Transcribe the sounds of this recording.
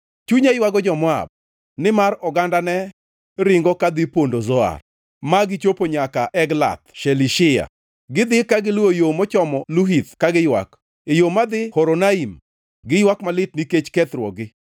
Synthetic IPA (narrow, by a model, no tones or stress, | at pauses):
t͡ʃuɲajwaɡɔd͡ʒɔmɔa̰b̚ | nɪmaɾɔɡandanɛ | ɾɪŋɡɔkad̪ɪpondozɔa̰r | maɡɪt͡ʃopoɲakaʔɛɡla̰t̪ʃeliʃɪja̰ | ɡɪd̪ɪkaɡɪlojomɔt͡ʃɔmɔluɦit̪kaɡɪjwa̰k | ejomad̪ɪhoɾonaim | ɡɪjwakmalɪt̚niket͡ʃkɛt̪ɾwɔɡɪ